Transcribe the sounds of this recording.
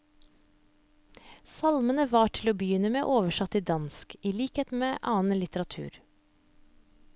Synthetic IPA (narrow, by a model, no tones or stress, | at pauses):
sɑlmənəʋɑːʈʰɪloːbəjʏnəmḛːʔoːʋəʃɑt̪iːd̪ɑnskiliːkheːt̪meːʔɑːnlɪt̪əɾɑt̪ʰʉ̰ːɾ